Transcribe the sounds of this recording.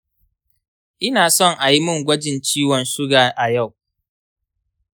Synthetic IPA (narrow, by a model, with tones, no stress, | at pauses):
ʔɪ˦naː˨sɔ˦˨ŋʔa˨ji˦mʊ˦ŋɡʷɐ˦d͡ʒɪ˨nt͡ʃiː˦wɔ˨nsʊ˦ɡaː˨ʔa˨ja˦˨w